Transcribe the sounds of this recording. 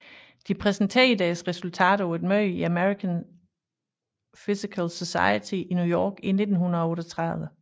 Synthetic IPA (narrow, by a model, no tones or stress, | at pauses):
d̥ipʰʁɛsn̩t͡sʰɛid̥ɛːsʁɛsult͡sʰɛ̰ːɾ̥ɐʊed̥mœːiæmeʁikʰæn | fisikʰælsɔsɑ̰̈ɪət͡sʰiʔinjujɒ̰ːɡ̥ine̝d̥n̩ɦunɐɒɔːɾɒt͡sʰʁɑðˠʋə